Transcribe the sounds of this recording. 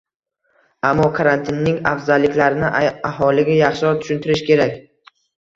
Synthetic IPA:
amːɒkʰaɾant̪ʰɪnːɪŋa̰fzalːɪkʲlaɾɪnɪahɒlɪɡʲajɑχʃɪɒɾt̪ʰʊ̥ʃʊnt̪ʰɪɾɪʃkʲʰe̞ɾakʲ

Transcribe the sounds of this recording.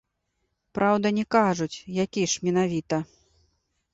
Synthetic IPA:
pɾʔawd̪ɐnʲɛkaʐut͡sʲjakʲiʂmʲɛnavʲit̪ɐ

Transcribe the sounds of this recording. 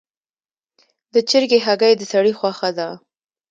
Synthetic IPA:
d̪ət͡ʃɪɾɡeɦaɡajd̪əsaɽixwɑxad̪a

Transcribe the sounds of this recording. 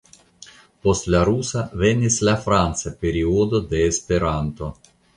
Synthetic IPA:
post̪lʲaɾusɐvenʲːisʲlʲafɾant̪sɐpʲeɾʲiod̪od̪eːspeɾant̪o

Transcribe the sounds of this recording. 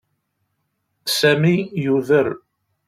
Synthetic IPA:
sæmijuðəɾ

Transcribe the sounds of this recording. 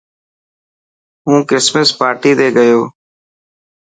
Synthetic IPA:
ɦũːkɪsməspaːɾʈiːd̪eːɡəjoː

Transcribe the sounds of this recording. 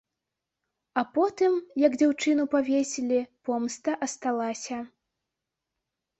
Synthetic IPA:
ɐpɔt̪ɨmjɐɡd͡zʲawt͡ʂɨnupavʲesʲilʲipɔmst̪ɐʔɐst̪alˠasʲɐ

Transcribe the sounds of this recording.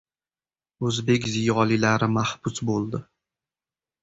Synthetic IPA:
ɵzbe̞kʲzijɒlɪlaɾɪmahbʊsbolˠd̪ɪ

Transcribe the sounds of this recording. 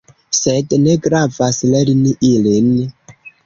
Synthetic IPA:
sedneɡɾavaslɛɾiniʔilin

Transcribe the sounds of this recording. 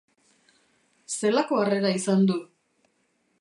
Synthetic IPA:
se̞lako̞are̞ɾaisand̪u

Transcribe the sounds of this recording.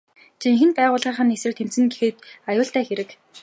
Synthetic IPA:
t͡ɕiŋxɘ̆npæːʁʊːɮʁaːχə̆nesɘ̆rt̪ʰem̥t͡sɘ̆ŋɡexeːt̪ajʊːɬt̪æːxeɾɘ̆k

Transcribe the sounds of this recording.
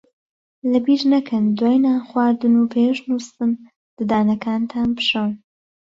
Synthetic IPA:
lɐbiːʒnɐkʰɨnd̪waːjnaːnxwaːɾd̪ɨnupʰeʃnust̪ɨn | lɐd̪aːnɐkʰaːnt̪ʰaːnpɨ̥ʃɐwn

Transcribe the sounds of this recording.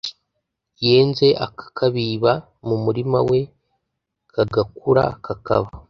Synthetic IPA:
je̞ːnze̞ʔa̰kḁkʰaβiβa | mumuɾima̰we̞ | kaɡakuɾa̰kaka̰βa

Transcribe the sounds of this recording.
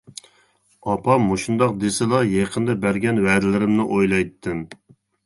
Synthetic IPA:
ɑpʰɑmoʃund̪ɑq̚d̪esɪlˠɑjeqʰənd̪ɛbæɾɡʲɛnwɛd̪ɪlɪɾɪmnɪʔojlˠɑjt̪ʰːɨn

